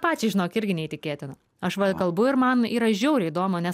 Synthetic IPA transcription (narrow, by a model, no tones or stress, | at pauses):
pɑːt͡ʃʲɪʒʲɪnoːkɪɾʲɡʲɪnʲɛiːt̪ʲɪkʲeːt̪ʲɪnɐ | ɐʃʋɐkɐlˠbʊɪɾmɐniːɾɐʒʲɛʊɾʲɪiːd̪oːmonʲɛ